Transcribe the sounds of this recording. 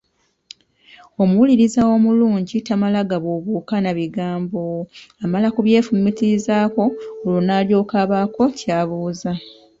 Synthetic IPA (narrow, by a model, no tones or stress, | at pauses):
o̞muwuliɾizawo̞muluːɲɟitamalaɡaβoβuːkanaβiɡaːmbo̞amalakuβje̞ːfumitiɾizaːko̞olonaːljo̞ːkaβako̞caːβuːza